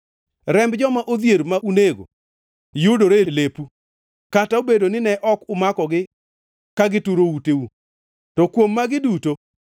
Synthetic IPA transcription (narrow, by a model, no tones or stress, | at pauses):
ɾɛmbd͡ʒɔmaʔod̪jeɾmaʔuneɡo̰ | jʊdoɾelepu | kataobedonɪnɛʔɔkʊmakɔɡɪ | kaɡɪtuɾouteu | tɔkwomːaɡɪduto